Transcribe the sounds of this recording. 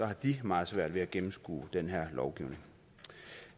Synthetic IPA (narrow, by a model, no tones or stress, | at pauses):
sɒ̽hɑ̈d̥imɑ̈ːð̩ˠsʋæɐ̰d̥ʋe̝æɡ̥emm̩sɡ̥ṵːd̥enɦeɐ̰lɒʊɡ̥ḭʊne̝ŋ